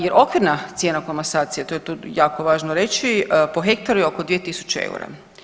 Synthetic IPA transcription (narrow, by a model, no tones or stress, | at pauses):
jeɾʔo̞kʋiɾnat̪sjeːnakomasaːt̪sijat̪ojet̪oːjaːko̞ʋaːʒnoɾe̞t͡ʃipoxe̞kt̪aɾujeokod̪ʋijet̪isu̥t͡ʃeḛṵɾa̰